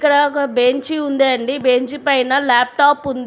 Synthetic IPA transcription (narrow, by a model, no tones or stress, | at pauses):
ikːɐɽɐkɐbeɲt͡ʃiund̪eɐɳɖibeɲt͡ʃipɐjnɐlaːp̚ʈaːpund̪i